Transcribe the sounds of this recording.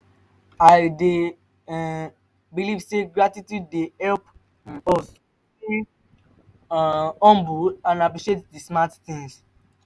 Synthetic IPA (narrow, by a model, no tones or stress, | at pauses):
aɪde | bilivseɡɹatitjud̚deɛlp | ɔ | i | ɔ̃mbuãnapɹiʃetdismatθĩŋs